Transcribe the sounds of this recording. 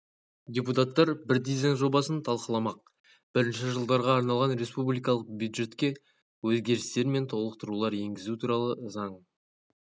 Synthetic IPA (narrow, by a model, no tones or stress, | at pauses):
dʲeput̪at̪ːɑɾbɪɾd̪ijzej̪ʒo̞bɑsənt̪ʰɑlˠqəlˠɑmɑq̚ | b̥ɪɾɪnʃɪʒəlˠd̪ɑɾʁɑːɾnɑlˠʁɑnɾe̞spublijkɑlˠəq̚bjud̪ʒe̞t̪kʲe̞ | wɵzɡʲe̞ɾɪst̪e̞ɾme̞nt̪ʰo̞lˠəq̚t̪əɾulˠɑɾe̞ŋɡʲɪzut̪ʰuɾɑlˠəzɑɴ